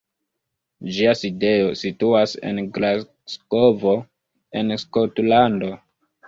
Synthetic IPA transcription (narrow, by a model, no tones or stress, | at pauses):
d͡ʒiaside̞jo̞situase̞̰nɡla | sko̞vo̞ | e̞nskotlando̞